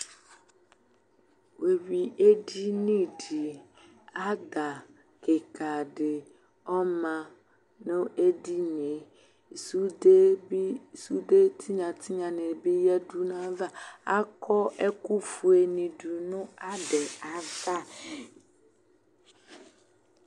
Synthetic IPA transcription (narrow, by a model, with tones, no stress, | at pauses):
we˨wi˨e˦di˦nĩ˦di˨ | a˦d̪a˨ | ke˨kʰa˨dɪ˨ | ɔ˦mã˨ | nʊ̃˦e˦di˦ne˨˦˨ | su˦de˦bi˦su˦de˦tʰi˦ɲã˨tʰɪ˦ɲã˨nɪ̃˨bɪ˦jɛ˦du˦nã˦va˦a˦kʰɔ˦ɛ˦ku˦fu˨e˨nĩ˨du˨nʊ̃˦a˦dɛ˨a˨va˦